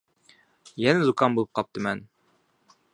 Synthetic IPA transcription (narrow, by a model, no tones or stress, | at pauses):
jænæzukɑnbulˠɤp̚qɑp̚t̪ɤmæn